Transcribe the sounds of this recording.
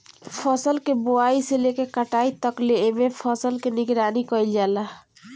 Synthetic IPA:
pʰəsəlkeboaiselekekəʈait̪əkleːmepʰəsəlkeniɡɾanikəild͡ʒala

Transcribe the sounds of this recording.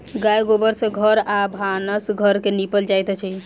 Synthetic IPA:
ɡajɡobəɾsẽɡʱəɾabʱanəsɡʱəɾkenipəld͡ʒajt̪t͡ʃʰɛ

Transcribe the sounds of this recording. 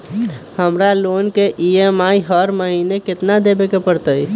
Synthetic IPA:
həmɾalonkeʔiemaiɦəɾməɦinekɪt̪nad̪ebekepəɾt̪əj

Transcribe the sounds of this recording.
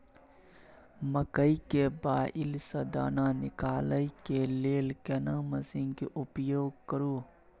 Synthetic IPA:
mɐkəikebaːʔilsɐd̪a̰ːnaːnɪkaːləikeleːlkenãmɐsĩŋkiʔʊpjoːɡ̚kəɾuː

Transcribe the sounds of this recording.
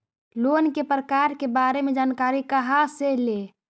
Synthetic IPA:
loːnkepɾəkaɾkebaːɾemed͡ʒaːnkaɾikəɦasele

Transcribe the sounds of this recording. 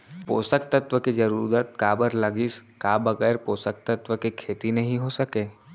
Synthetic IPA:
po̰ːsəkt̪ət̪ʋəked͡ʒɐɾuːɾət̪̚kaːbəɾlɐɡiskaːbɐɡɛːɾpoːsək̚t̪ɐt̪ʋəkekʰeːt̪inɐɦĩɦosɐkeː

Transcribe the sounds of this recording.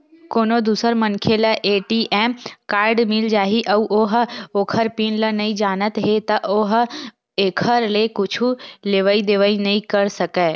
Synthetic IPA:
koːnod̪uːsəɾmənkʰeləʔeːʈiːʔɛːmkaːɾɖmɪld͡ʒaːɦiʔɐʋʔoɦoːkʰəɾpiːnlənɐĩd͡ʒaːnət̪ɦet̪ɐʔoɦ | eːkʰəɾlekʊt͡ʃʰuleːʋəid̪eːʋəinɐɦĩkɐɾsɐkɛː

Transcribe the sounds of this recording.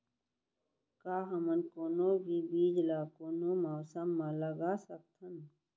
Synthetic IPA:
kaːɦɐmənkoːnoːbʱiːbiːd͡ʒlaːkoːnomaːsəmːãləɡaːsək̚t̪ʰən

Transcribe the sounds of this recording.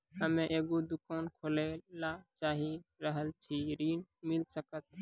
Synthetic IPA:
ɦəmẽʔeːɡod̪ʊkaːnkʰoːlelat͡ʃaːɦiɾəɦəlt͡ʃʰiɾiːnmɪlsəkət̪̚

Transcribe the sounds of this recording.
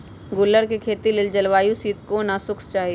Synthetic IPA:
ɡʊlːəɾkekʰeːt̪ilɪld͡ʒəlʋaːjũsiːt̪konasʊkʰst͡ʃaːɦie

